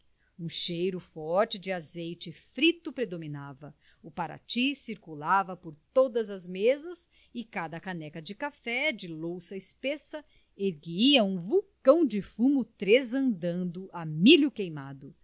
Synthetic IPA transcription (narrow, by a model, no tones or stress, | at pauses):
ũʃejɾʊfɔɾt͡ʃɪd͡ʒɪazejt͡ʃɪfɾit̪ʊpɾed̪ominavɐ | ʊpaɾa̰t͡ʃisiɾkulavɐpoɾt̪od̪ɐzɐzmezɐs | ɪkad̪ɐkanɛkɐd͡ʒɪkafɛd͡ʒɪlowsɐɪspesɐ | eɾɡiɐũvukɐ̃w̃d͡ʒɪfũmʊt̪ɾezɐ̃nd̪ɐ̃nd̪ʊʔamiʎʊkejmad̪ʊ